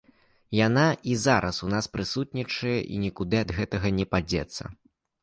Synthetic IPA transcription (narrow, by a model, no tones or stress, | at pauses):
janaizaɾʔɐsunaspɾɨsut̪̚ʲnʲit͡ʂɨjɛʔḭnʲikud̪ɨɐd̪ɣɛt̪ɐɣɐnʲɛpad͡zʲɛ̰t̪sːɐ̰